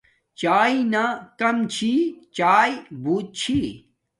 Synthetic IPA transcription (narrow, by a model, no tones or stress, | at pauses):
t͡ɕaːinakɐmt͡ɕʰit͡ɕaːjbʱuːt̪̚t͡ɕʰi